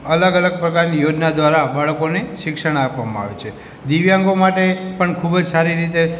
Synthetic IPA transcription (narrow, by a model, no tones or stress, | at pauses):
ələɡələɡ̚pɾəkaɾnijod͡ʒnad̪ʋaɾabaɭkoniʃɪkʃəɽ̃ːpʋamãa̰ʋet͡ʃʰe | d̪iʋjãŋɡomaʈepəɳkʰubəd͡ʒsaɾiɾit̪e